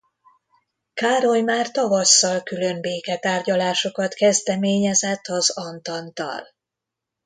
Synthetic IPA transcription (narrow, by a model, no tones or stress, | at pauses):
kaːɾo̞jmaːrt̪ɒvɒsːɒlkylø̞mbeːkɛt̪aːrɟɒlaːʃo̞kɒt̪kɛzd̪ɛmeːɲɛzɛt̪ʰːɒzɒnt̪ɒnt̪ɒ̰l